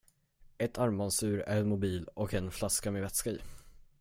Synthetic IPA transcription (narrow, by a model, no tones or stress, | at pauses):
ɛt̪ʰaɾmansʉ̟ːɾæ̰ɾɛnmʊbiːlɔkɛnflaskameːvɛt̪skaḭː